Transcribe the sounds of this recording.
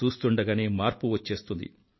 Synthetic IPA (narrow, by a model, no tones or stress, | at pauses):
uːst̪uɳɖɐɡɐneːmaːɾpuʋɐt͡ʃːe̞ːst̪und̪ḭ